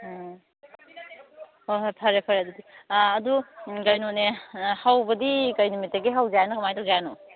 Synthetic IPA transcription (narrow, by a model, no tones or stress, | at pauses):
oɦpʰɐɾepʰɐɾedudiɐduɡɐjnonehawbɐdikɐjnumitːeɡiɦawd͡ʒajnɐkʰamajdod͡ʒano